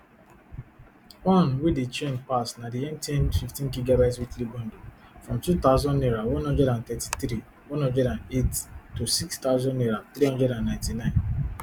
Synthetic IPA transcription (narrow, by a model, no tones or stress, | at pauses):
wɔ̃nwedet͡ʃẽnpasnadiɛ̃ntiɛ̃nfiftĩnɡiɡabaɪtswitliɡɔ̃ndofɹɔ̃mtut̪aʊzɔ̃ndniɹawɔ̃nɦɔ̃ndɹɛɾãnt̪ɛti̥t̪ɾi | wɔ̃nhɔ̃ndɛɾãnettosikst̪aʊzɔ̃ndniɾaθɾiɦɔ̃ndɛɾãnːãɪ̃ntinãɪ̃n